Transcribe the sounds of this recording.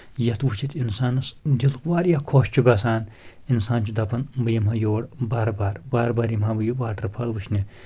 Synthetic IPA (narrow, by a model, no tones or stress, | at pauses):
jɐt̪wut͡ʃʰit̪insaːnɐsd̪ilkwaːɾjakʰoːʃt͡ʃʰuɡɐsaːn | insaːnt͡ʃʰud̪ɐpɐnbɨjɐmɦɐjoːɽbaːɾbaːɾbaːɾbaːɾimɦaːbɨjubaːʈɐɾpʰɐlwuʃʰnʲi